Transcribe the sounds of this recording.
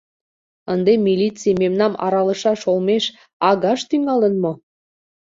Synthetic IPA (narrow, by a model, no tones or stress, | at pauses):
ənd̪emilʲit͡sijmemnɑmɑ̰ɾɑlə̆ʃɑʃolmeʃ | ɑɣɑʃt̪yŋɑlənmo